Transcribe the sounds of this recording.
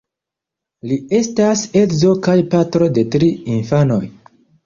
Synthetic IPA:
lie̞stase̞kzo̞kajpatɾo̞de̞tɾiinfano̞j

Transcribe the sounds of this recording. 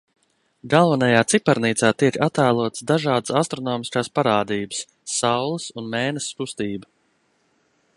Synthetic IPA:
ɡalˠvanajaːt̪sipaɾniːt̪saːt̪iɛkat̪æːlˠuɔt̪sd̪aʒɑːd̪əsast̪ɾɔnɔːmiskaːspaɾaːd̪iːbə̥sː | awlˠəsunmɛːnəskust̪iːbə

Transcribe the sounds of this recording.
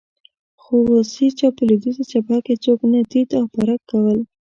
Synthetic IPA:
xowosit͡ʃɑpəlud̪izat͡ʃapaket͡soknad̪it̪awpaɾakːawəl

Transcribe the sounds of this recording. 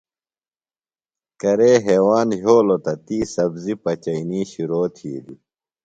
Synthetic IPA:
kɐɾeːɦeːwaːnɦoːlot̪ɐt̪iːsɐbzipɐt͡ɕɐiniːɕiɾoːt̪ʰḭːd̪i

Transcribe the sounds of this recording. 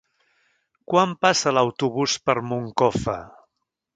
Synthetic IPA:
kwampasələwt̪uβuspəɾmuŋkɔfə̰

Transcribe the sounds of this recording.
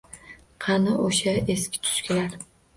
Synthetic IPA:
qʰɑnɪʔoʃaeskʲʰɪ̥t̪ʰʊ̥ʃkʲʰɪlaɾ

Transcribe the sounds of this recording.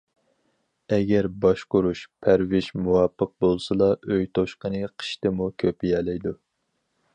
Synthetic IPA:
ɛɡʲæɾbɑʃqʊɾuʃpʰæɾwɪʒmuwɑpʰːəq̚bolˠsɨlˠɑʔøjt̪ʰoʃqənɨqʰə̥ʃt̪ɨmukʲʰøpɪjɛːlɛjd̪u

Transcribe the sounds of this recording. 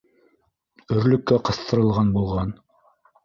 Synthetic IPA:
ɵ̆ɾlɵ̆kːæqɤ̆θt̪ɤ̆ɾɤ̆lˠʁɑnbulˠʁɑn

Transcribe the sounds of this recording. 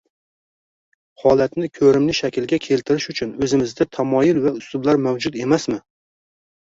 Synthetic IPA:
hɒlˠat̪nɪkʲʰɵɾɪmlɪʃakʲɪlɡʲakʲʰe̞lt̪ʰɪɾɪʃʊt͡ʃʰʊnɵzɪmɪzd̪at̪ʰamɒjɪlvaʊst̪ʊblaɾmawd͡ʒʊt̪e̞masmɪ

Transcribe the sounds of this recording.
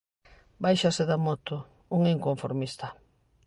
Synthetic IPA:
bajʃaseðamot̪o | uŋeŋkoɱfoɾmist̪a

